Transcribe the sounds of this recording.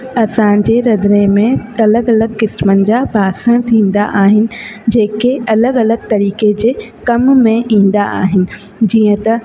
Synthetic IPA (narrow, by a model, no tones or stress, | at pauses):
ɐsãd͡ʑeːɾɐd̪ɾemẽɐləɡɐləɡkɪsmənɪ̆d͡ʑaːbʱaːsə̃ɽ̃t̪ʰĩːn̆d̪a̰ʔaːɦɪnɪ̆d͡ʑeːkeɐləɡɐləɡt̪ɐɾiːked͡ʑeː | kɐmmẽʔĩːn̆d̪aʔa̰ːɦɪnɪ̆ | d͡ʑiːə̃t̪ɐ